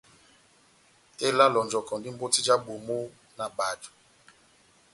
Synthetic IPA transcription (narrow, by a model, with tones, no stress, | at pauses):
e˦la˦lɔ˨nd͡ʒɔ˨kɔ˨ndi˦m̩˦bo˦ti˦d͡ʒa˦bu˨mu˦ | na˨ba˨tu̥˨